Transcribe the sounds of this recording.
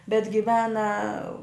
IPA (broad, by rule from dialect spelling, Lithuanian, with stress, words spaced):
bʲɛt ɡʲɪˈʋʲæːnɐ